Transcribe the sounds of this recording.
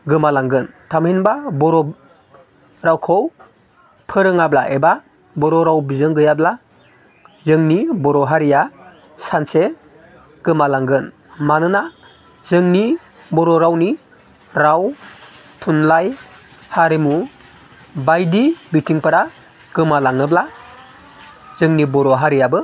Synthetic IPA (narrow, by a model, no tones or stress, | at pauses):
ɡɯmalaŋɡɯntʰamhinbabɔɾɔ | ɾawkʰɔw | pʰɯɾɯŋablaʔeba | bɔɾɔɾawbizɯŋɡɯjabla | zɯŋnibɔɾɔɦaɾija | sanse | ɡ̥ɯmalaŋɡɯn | manɯna | zɯŋni | bɔɾɔɾawni | ɾaw | tʰunlaj | haɾimu | bajdibitʰiŋpaɾa | ɡ̥ɯmalaŋɯbla | zɯŋnibɔɾɔɦaɾijabɯ